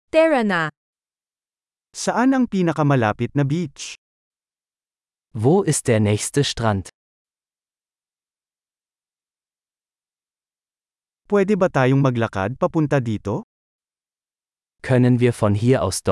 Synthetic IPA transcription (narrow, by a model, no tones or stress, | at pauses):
t̪ɛɹɐna | sɐʔanɐŋpiːnɐkɐmɐlaːpɪt̪̚nɐbit͡ʃ | voːʔɪst̪̚d̪eːɐnɛːçst̪əʃtʁant̪ | pwɛːd̪ɛbɐt̪aːjoŋmɐɡlɐka̰d̪̚pɐpʊnt̪ɐd̪iːt̪o̞ | kʰœnənviːɐfɔnɦiːɐʔa̰ʊsd̪̥ɔ